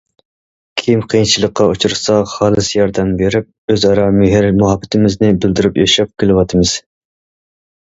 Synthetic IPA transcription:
kʲʰimqʰijnt͡ʃʰilˠəqːɑut͡ʃʰuɾsɑχɑːlˠɨsjɑɾd̪ɛmbeɾɪp̚øzɑɾɑmɪɦɪɾmuɦɑbːɪt̪ʰɪmɪznɪbɪld̪ɪɾypjɑʃɑp̚kʲʰelɪwɑt̪ʰɨmɨz̥

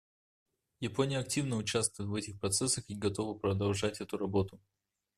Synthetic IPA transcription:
jɪponʲɪjəɐk̚tʲivnəʊt͡ɕast̪vʊjt̪vɛtʲɪxpɾɐt̪sɛsəxiɡɐt̪o̞vəpɾəd̪ɐlˠʐatʲɛt̪ʊɾɐbo̞t̪ʊ

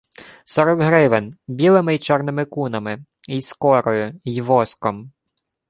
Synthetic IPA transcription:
sɔɾɔɡɦɾɪʋenbʲilˠɪmɪjt͡ʃɛrnɪmɪkunɐmɪ | ijskɔɾɔjʊjʋɔskɔm

